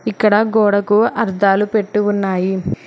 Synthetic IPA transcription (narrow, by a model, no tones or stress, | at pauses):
ikːɐɽɐɡɔːɽɐkuʔɐɾd̪aːlupe̞ʈːuunːaːji